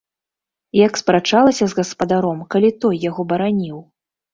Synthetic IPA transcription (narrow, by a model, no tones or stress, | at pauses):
jɐkspɾat͡ʂalˠɐsʲɐzɣɐspɐd̪aɾɔmkalʲit̪ɔjːaɣɔbɐɾanʲiw